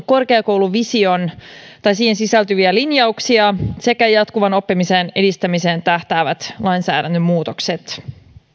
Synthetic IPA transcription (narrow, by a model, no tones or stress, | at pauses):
ko̞rkeɑkowluʋisiont̪ɑjsiːhensisælt̪yʋiælinjɑuksiɑse̞kæjɑt̪kuʋɑno̞pːimisene̞dist̪æmise̞ːnt̪æht̪æːʋæt̪lɑjnsæ̰ːɾænt̪ːømmuːt̪okset̪